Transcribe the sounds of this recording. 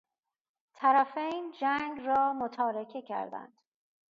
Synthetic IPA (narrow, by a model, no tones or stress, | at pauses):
t̪ʰæɾæfejnd͡ʒæŋɡɾɒːmot̪ʰɒːɾekʰe̞cʰæ̰ɾd̪æ̰nd̪̥